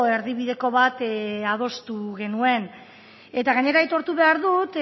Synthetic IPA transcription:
e̞ɾðiβiðe̞ko̞βat̪að̞o̞st̪uɣe̞nue̞n | e̞t̪aɣaɲe̞ɾait̪o̞ɾt̪uβe̞aɾðut̪

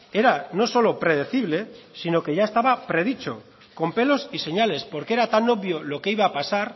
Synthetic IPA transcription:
e̞ɾano̞so̞lo̞pɾe̞ðe̞θiβle̞sino̞ke̞ʝae̞st̪aβapɾe̞ðit͡ʃo̞̰ | ko̞mpe̞lo̞sise̞ɲale̞spoɾkeeɾat̪ano̞βjo̞lo̞keiβaːpasaɾ

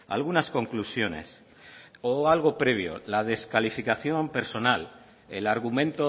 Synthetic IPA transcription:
a̰lɣunasko̞ŋklusjo̞ne̞̰s | oalɣ̞o̞pɾe̞β̞jo̞̰lað̞e̞skalifikaθjo̞mpe̞ɾso̞nal | elaɾɣ̞umẽ̞nt̪o

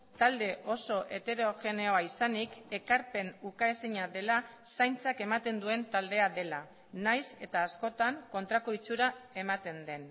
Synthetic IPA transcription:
t̪ald̪e̞ʔo̞so̞ʔe̞t̪e̞ɾo̞ʝe̞ne̞o̞aisanike̞kaɾpe̞nukaesiɲaðe̞lasajnt͡sake̞mat̪e̞nd̪ue̞nt̪ald̪e̞aðe̞la | najse̞t̪aːsko̞t̪aŋko̞nt̪ɾako̞it͡suɾae̞mat̪e̞nd̪e̞n

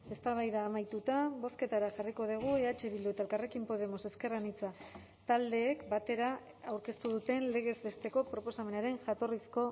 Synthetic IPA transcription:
e̞st̪aβajðaːmajt̪ut̪abo̞ske̞t̪aɾaʝariko̞ð̞iɣ̞ue̞at͡ʃe̞βild̪ut̪aelkare̞kimpo̞ð̞emo̞se̞ske̞ranit͡sa | t̪ald̪e̞ːkbat̪e̞ɾa | awɾke̞st̪uðut̪e̞nle̞ɣ̞e̞zbe̞st̪e̞ko̞pɾo̞po̞same̞naɾe̞ŋʝat̪o̞risko̞

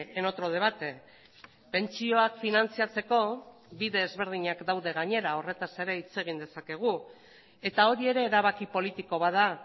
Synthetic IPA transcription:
eno̞t̪ɾo̞ð̞e̞β̞at̪e̞ | pe̞nt͡sio̞akfinant͡siat͡se̞ko̞ | βiðe̞ːzβe̞ɾð̞iɲakd̪awðe̞ɣ̞aɲe̞ɾao̞re̞t̪ase̞ɾe̞it͡se̞ɣ̞ind̪e̞sake̞ɣ̞u | e̞t̪ao̞ɾie̞ɾe̞ːɾaβ̞akipo̞lit̪iko̞βaða

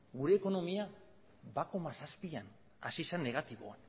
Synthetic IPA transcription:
ɡuɾe̞ːko̞no̞mia | bakomasaspian | a̰sisanːe̞ɣ̞at̪iβo̞̰an

